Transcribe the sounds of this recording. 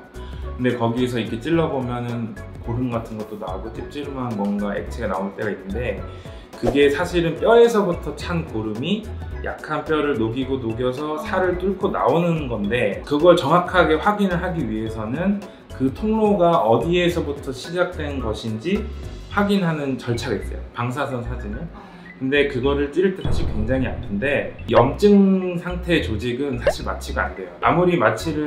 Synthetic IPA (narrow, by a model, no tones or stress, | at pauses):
kɯnde̞kʌɡies̬ʰʌikʰe̞t͡ɕ͈iɭːʌbomjʌnɯnkoɾumɡatʰɯnɡʌt͈̚ona̰oɡot͈ʰip̚t͡ɕ͈iɾɯmɦanɡʌnɡaḛt͡ɕʰeɡana̰oɭt͈e̞ɡainːɯnde̞ | kɯɡe̞sʰaɕʰiɾɯnp͈jʌɾe̞s̬ʰʌbutʰʌt͡ɕʰankoɾɯmijʔa̰k̚kʰanp͈jʌɾɯɭnoɡiɡonoɡjʌs̬ʰʌsʰaɾɯɭt͈uɭkʰona̰onɯnɡʌnde̞kɯɡʌɭt͡ɕʌŋakʰaɡe̞ɸwaɡinɯɭɦaɡiɥiɦe̞sʰʌnɯn | kɯtʰoŋɭoɡaʌdie̞sʰʌbutʰʌɕʰid͡ʑak̚t͈we̞nɡʌɕʰind͡ʑiɸwaɡinɦanɯnt͡ɕʌɭt͡ɕʰaɡes͈ʌjo̰paŋs̬ʰas̬ʰʌnsʰad͡ʑinɯn | kɯnde̞kɯɡʌɾɯɭt͈iɾɯɭt͈ʰesʰaɕʰiɭkwe̞ŋd͡ʑaŋia̰tʰɯnde̞jʌmt͡ɕ͈ɯŋsʰaŋtʰe̞ːt͡ɕod͡ʑiɡɯnsʰaɕʰima̰t͡ɕʰiɡaa̰nde̞joa̰muɾimat͡ɕʰiɾɯ